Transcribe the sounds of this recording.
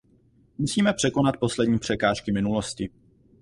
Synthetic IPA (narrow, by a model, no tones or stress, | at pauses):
musiːmɛpr̥ɛko̞nat̪̚po̞slɛdɲiːpr̥ɛkaːʃkɪmɪnuloscɪ